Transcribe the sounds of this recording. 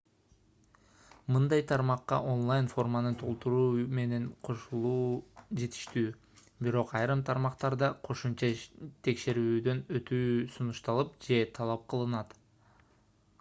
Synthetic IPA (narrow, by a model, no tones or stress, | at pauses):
mɯnd̪ɑjt̪ʰɑɾmɑqːɑ̰ʔo̞nlˠajnfo̞rmanɯnt̪ʰo̞lˠt̪uɾuːme̞ne̞ɴqʰo̞ʃulˠuːd͡ʒe̞t̪ʰi̥ʃt̪yː | biɾo̞qɑjɾɯmt̪ʰɑɾmɑqt̪ɑɾd̪ɑqʰo̞ʃumt͡ʃɑt̪ʰe̞kʃe̞ɾyːd̪ø̞nø̞t̪yːsunuʃt̪ɑlˠɯpd͡ʒe̞t̪ʰɑlˠɑp̚qʰɯlˠɯnɑt̪